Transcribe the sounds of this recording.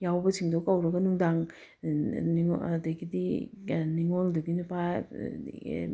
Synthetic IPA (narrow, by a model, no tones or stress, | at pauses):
jawbɐsiŋdokɐwɾɐɡɐnuŋdaŋ | dɐɡidiniŋoldɐɡinupaj